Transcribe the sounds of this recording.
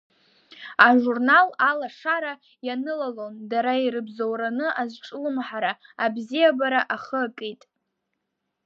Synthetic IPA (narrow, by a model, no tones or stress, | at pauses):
aʐurnalalaʂaɾa | janɨlalondaɾaiɾɨbzowɾanɨazʷʈ͡ʂʼɨlɨmħaɾaabzijabaɾaʔaχəkʼitʼ